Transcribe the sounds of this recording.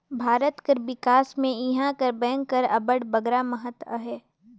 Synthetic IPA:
bʱaːɾət̪kəɾʋɪkaːsmẽɪɦãkəɾbɛ̃ːŋɡkːəɾɐ̰bəɽbəɡɾaməɦət̪əɦɛː

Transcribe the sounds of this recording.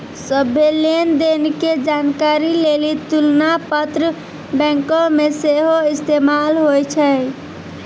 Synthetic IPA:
səbʱelend̪enked͡ʒankaɾilelit̪ulnapət̪ɾə | bɛ̃ŋkõmeseɦoist̪emalɦojt͡ʃʰɛ

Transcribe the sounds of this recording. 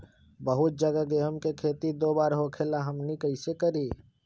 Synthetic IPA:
bəɦʊt̪̚d͡ʒəɡaɡeɦəmkekʰeːt̪id̪oːbaːɾɦoːkʰelaɦəmnikəɪsekəɾi

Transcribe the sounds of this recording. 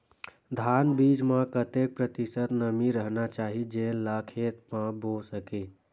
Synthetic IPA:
d̪ʱaːnbiːd͡ʒmãkət̪eːk̚pɾət̪ɪsət̪nəmiɾəɦnat͡ʃaːɦid͡ʒẽlaːkʰeːt̪mãbʱoːsəkeː

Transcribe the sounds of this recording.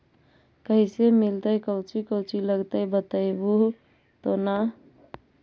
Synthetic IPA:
kəɦisemilt̪əjkəʊt͡ʃikəʊt͡ʃiləɡt̪əjbət̪əjbu | t̪ona

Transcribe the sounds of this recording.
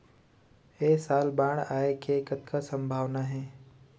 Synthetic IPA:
esaːlbãːɽaːekekət̪kʰasə̃mbʱaːʋnaɦɛː

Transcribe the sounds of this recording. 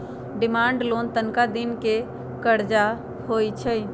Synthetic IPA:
ɖɪmaːɳɖloːnt̪ənkad̪ɪnke | kəɾd͡ʒa | hoit͡ʃʰə

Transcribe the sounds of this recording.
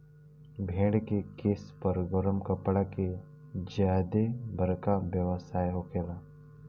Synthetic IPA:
bʱẽːɽkekeːspəɾɡɔɾəmkəpɽake | d͡ʒjaːd̪ebʱəɾkabjəʋəsaːjɦokeːlaː

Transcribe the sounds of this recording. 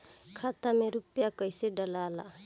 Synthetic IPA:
kʰat̪ameɾupjakʌjseɖʌlala̰

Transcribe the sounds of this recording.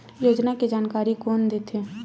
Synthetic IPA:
joːd͡ʒnakid͡ʒaːnkaːɾikoːnd̪eːt̪ʰeː

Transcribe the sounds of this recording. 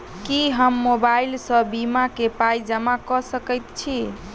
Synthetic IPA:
kiɦəmːobailsə̃bimakepajd͡ʒəmakɔsəkəjt̪t͡ʃʰi

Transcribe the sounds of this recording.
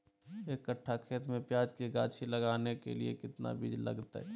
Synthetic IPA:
ekəʈʰːakʰeːt̪mẽpjaːd͡ʒkiɡaːt͡ʃʰilɐɡaːnekḛlḭḛkɪt̪na̰biːd͡ʒlɐ̰ɡt̪a̰ɦɛ

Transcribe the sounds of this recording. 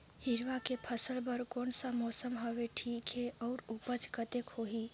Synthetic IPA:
hiɾʋakepʰəsəlbəɾkonsəmɔsəmɦəʋeʈʰiːkɦeɔːɾupət͡ʃkət̪ekhoɦi

